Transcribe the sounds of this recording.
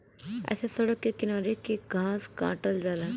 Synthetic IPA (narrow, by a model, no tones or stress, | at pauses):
ɛ̰ːsesɐɽəkːekɪnaːɾekeɡʱãːsɡã̰ːʈəld͡ʒaːlãː